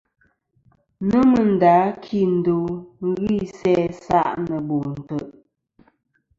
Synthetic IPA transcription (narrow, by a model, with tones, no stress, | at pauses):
nə˦mə˨n̩˨daː˨˦kʰi˦˨n̩˨do˨˦ŋ˦ɣi˦˨sɛ˦sa̰˦˨ʔnə˨bo˨n̩˨tə˨ʔ